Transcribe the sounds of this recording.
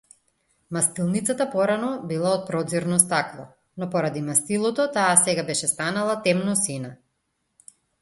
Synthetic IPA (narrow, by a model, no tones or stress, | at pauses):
mast̪ilˠnit̪sat̪apɔɾanɔbilˠaɔt̪̚pɾɔd̪ziɾnɔst̪aklˠɔ̰ | nɔpɔɾad̪imast̪ilˠɔt̪ɔt̪aːsɛɡabɛʃɛst̪analˠat̪ɛmnɔsina